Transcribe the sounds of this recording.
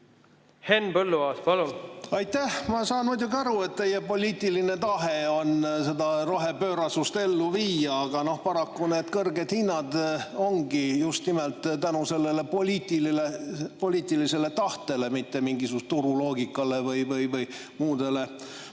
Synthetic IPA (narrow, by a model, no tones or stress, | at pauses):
henːpɤlːuvɑːspɑlunɑjt̪æhmɑsɑːnmujd̪ʲjuɡiɑɾue̞t̪̚t̪e̞je̞po̞lʲiːt̪ːˑiline̞t̪ɑɦe̞o̞nse̞d̪ɑro̞ɦe̞pøːɾɑsust̪e̞lːuviːjɑːɡ̥ɑno̞hpɑɾɑkːune̞ːd̪kɤrɡed̪̥hinːɑd̪̥o̞ŋɡijust̪nimelt̪ˑt̪ænuse̞lːe̞le̞polʲiːt̪ililepo̞lʲiːt̪ˑilise̞le̞t̪ɑht̪e̞le̞mit̪ːe̞miŋɡisust̪t̪uɾulo̞ːɡikːˑɑle̞vɤjvɯjvɯj | muːd̪̥e̞le̞